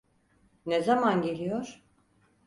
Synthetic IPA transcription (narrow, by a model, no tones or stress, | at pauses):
nezamanɟe̞lʲijoɾ̥